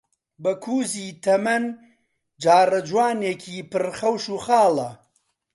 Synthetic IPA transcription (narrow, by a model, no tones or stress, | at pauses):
bɐkʰuːziːt̪ʰɐmɐn | d͡ʒaːrɐd͡ʒwaːneːkʰiːpɨrχɐwʃuːχaːlɐ